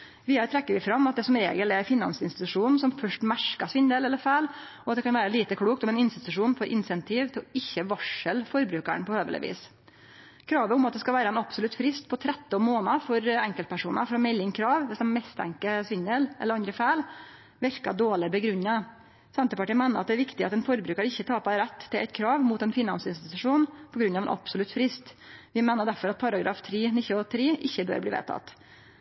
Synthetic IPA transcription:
ʋiːəət̪ɾɛkːəɾʋɪfɾɑmːɑt̪d̪ɛsɔmɾḛːɡəlæfɪnːɑ̰nsɪnst̪ɪt̪ʉʂuːn̩sɔmfœʂʈmæɾkɑsʋɪnd̪eːlɛlːəɾfæɪlʔɔɑt̪̚d̪ɛkɑnʋæːɾəliːt̪əkʰɽuːkt̪ɔmɛnɪnst̪ɪt̪ʉʂuːnfɔɾʔɪnsɛnt̪ʰiːʋt̪ʰɪlɔɪçːəʋɑʂəlfɔɾbɾʉːkæ̰ɳpʰɔhøːʋələ̰ʋʔḭːs | kʰɾɑːʋəʊmɑt̪d̪ɛskɑʋæːɾəɛnɑbsʊlʉt̪fɾɪst̪pʰɔt̪ʰɾɛt̪ːɔnmoːnɑfɔɾɛŋkəlt̪̚pʰæʂuːnɑ̰fɔɾɔmɛlːɪŋkʰɾɑːʋʋɛsd̪ɛnmɛst̪ʰæ̰ŋkəsʋɪŋəlʔɛ̰ləɾɑnd̪ɾəfæːl | ʋɪɾkɑ̰ɖ̪oːɭɪbəɡɾʉɲːɑ | sɛnt̪əpɑʈiːnmæɪnəɾɑt̪d̪ɛæɾʋɪkt̪ɪɑ̰t̪ɛnfɔɾbɾʉːkɑɾəɪçːət̪ʰɑːpɑɾɛt̪ʰːɪlʔɛ̰ɪt̪kʰɾɑːʋmʊːt̪ɛnfɪnɑnsɪnst̪ɪt̪ʉʂuːnpʰɔɡɾʉnɑʋɛ̰nʔɑ̰psɔlʉt̪fɾɪst̪ʋɪmæɪnəɖ̪æɾfɔɾɑt̪̚pʰɑɾɑɡɾɑ̰ːft̪ʰɾiːnɪçɔt̪ʰɾiːʔɪçːəbø̰ːɾbliːʋḛːt̪ʰɑ̰t̪ː

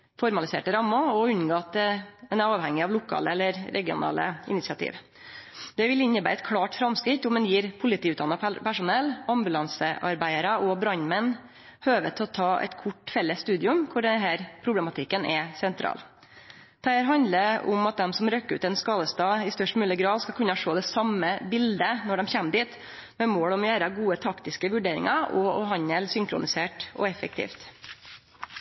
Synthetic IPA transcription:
fɔɾmɑlɪsḛːʈəɾɑmːɑɔʉnɡoːt̪ɛnæɾɑːʋhɛŋːɪɑʋlʊkʰɑ̰ːləɛlːəɾɾʔɛɡɪʊ̰nɑ̰ːlə̰ɪ̰nɪt̪sɪɑt̪ʰḭːʋ | d̪̥ɛʋɪlɪɲːəbæɪɾɛt̪kʰɽɑːʈfɾɑmskɾɪt̪ːɔmd̪ɛnjiːɾpʰʊlɪt̪ʰiːʉt̪̚d̪ɑnːɑpæʂʊnɛlːɑmbʉlɑnsəʔɑɾbæɪəɾɑɔbɾɑɲmɛnː | høːʋət̪ʰɔt̪ʰɑːʔɛ̰t̪kʰʊʈːfɛlːəsːt̪ʉːd̪ɪʉmkʰʊɖɛnɦæːɾpʰɾʊblɛmɑt̪ʰɪkːənʔɛsɛnt̪ʰɾɑ̰ːl | d̪̥ɛhæːɾɦɑnd̪ləʊ̰mɑt̪̚d̪ɛmsɔmɾøkːəʉ̰ːt̪ɛnskɑːd̪əst̪ɑːɪst̪œʂʈmyːləɡɾɑːd̪skɑlkʰʉnːɑʂoːd̪ɛsɑməbɪld̪ənɔɖɛmçɛmd̪iːt̪ | mɛmoːɽɔmjæːɾɑɡuːət̪ʰɑkt̪ɪskəʋʉɖeːɾɪ̰ŋɑɔɔhɑɲəlsʏŋkɾʊ̰nɪseːʈɔ̰ɛfək̚t̪ʰḭːft̪

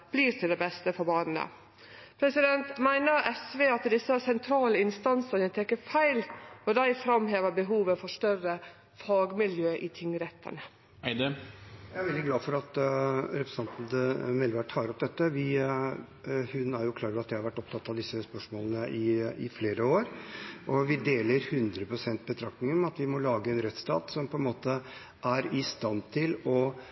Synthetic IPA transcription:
b̥liːɾt̪ʰɪld̪ɛbɛst̪əfɔɾbɑːnn̩ə̰ | pʰɾɛsɪd̪ɛnt̪mæɪnəɾɛsʋeːɑt̪d̪ɪsːəsɛnt̪ʰɾɑːləɪnst̪ɑnsənət̪ʰɛkːəfæɪlɔd̪æɪfɾɑmɦeːʋəɾbəɦuːʋəfɔʂtœrə | fɑːɡmɪljøːʔɪt̪ʰɪŋːɾɛt̪ʰːə̰nə | ɪd̪jææɾʋɛld̪ɪɡlɑːfɔɾɑt̪ɾɛpɾəsɑnt̪n̩d̪mɛlʋæʈʰɑːɾɔp̚d̪ɛt̪ːəʋɪ | hʉnæɾjʊkʰlɑːɡɾɑt̪̚d̪ɛɪhɑɾʋæʈːɔp̚t̪ʰɑt̪ːɑʋd̪ɪsːəspœʂmoːlənəʔɪʔɪfleːɾəoːɾʔɔʋɪd̪eːləɾhʉnd̪ɾəpʰɾʊsɛnt̪̚bət̪ʰɾɑk̚nɪŋəɔmɑt̪ʋɪmɔlɑːɡəɛnɾɛt̪st̪ɑ̰ːt̪sɔmpʰɔɛnmoːt̪ə | ʔæɾɪst̪ɑnt̪ʰɪlɔ

